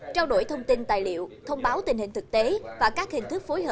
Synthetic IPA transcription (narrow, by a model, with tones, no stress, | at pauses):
t͡ɕaː˧wɗo̰˧˩jt̪ʰə˧wŋ͡mt̪i˧nt̪aː˨˩jlḭ˧˨əwt̪ʰə˧wŋ͡mɓaː˨˦wt̪ï̟˨˩hï˨˩ŋ̟t̪ɨ˨˩k̚t̪e˨˦vaː˨˩kaː˦˥k̚hï˨˩ŋ̟t̪ʰɨ˦˥k̚fo˨˦jɦəː˨˧˩